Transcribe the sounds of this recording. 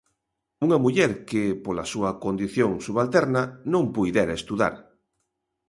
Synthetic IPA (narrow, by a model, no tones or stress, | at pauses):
uŋamuʎɛɾkɪpolasuɐkond̪iθjoŋsuβalt̪ɛɾnanõmpujðɛɾaest̪uða̰ɾ